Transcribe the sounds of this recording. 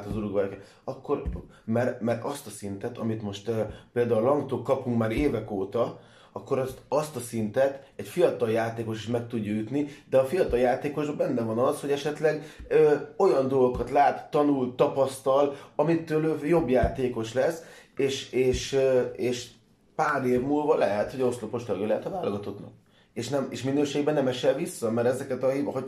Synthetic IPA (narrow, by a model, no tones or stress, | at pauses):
t̪ɒzuɾuɡʋɛɾɛkɛt̪ | ɒkːo̞ɾ | mɛrmɛrt̪ɒst̪ɒsint̪ɛt̪ɒmit̪mo̞ʃt̪øpeːld̪aːulɒŋɡt̪oːkkːɒpuŋkmaːɾeːvɛkoːt̪ɒ | ɒkːo̞ɾɒst̪ɒst̪ɒsint̪ɛt̪ɛcfijɒt̪ɒljaːt̪eːko̞ʃiʃmɛk̚t̪uɟːɒjyt̪nid̪ɛɒfijɒt̪ɒljaːt̪eːko̞ʒbbɛnːɛvɒnɒsho̞ɟɛʃɛt̪lɛɡøːo̞jɒnd̪o̞lɡokɒt̪laːt̪ːɒnult̪ːɒpɒst̪ɒlɒmit̪ːøːløjo̞bjaːt̪eːko̞ʃlɛseːʃeːʃøeːʃ | paːɾeːvmulvɒlɛɦɛt̪ho̞ɟost̪lopo̞ʃt̪lːɡjolɛɦɛt̪ɒvaːloɡɒt̪o̞t̪nɒ̰k̚ | eːʃnɛmḛʃminøːʃeːɡbɛnɛmɛʃɛlvisːɒmɛɾɛzɛkɛt̪ɒɦɒ